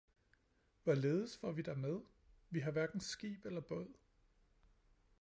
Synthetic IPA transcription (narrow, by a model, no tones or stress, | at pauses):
ʋæle̝ːð̞ˠəsfɒʋid̥æmeð̞ˠ | ʋiɦɑ̈ʋæɐɡ̥n̩sɡ̥ḭːb̥elɐb̥ɔð̰ˠ